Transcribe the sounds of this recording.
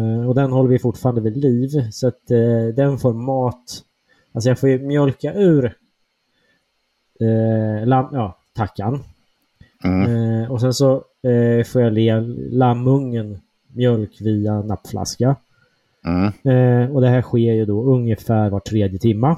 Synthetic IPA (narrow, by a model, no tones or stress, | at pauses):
ɔd̪ɛnhɔlːɾɪjfʊʈfɑːɾand̪əviːd̪liːvsɔat̪d̪ɛnfoːɾmɑːt̪ | als̬ɔjɑːɡfoːjɵmjœlkaʔʉ̟ːɾ | lamjɑːt̪ʰakʰːan | ɔsɛnsɔ | foːɾjaleːlamːɵŋːən | mjœlkviana̰pːflʔa̰ska | ɔd̪ɛɦæːɧeːɾjɵd̪ɔɵŋjəfæːɾvaʈʰːɾeːd̪jət̪ʰɪmːa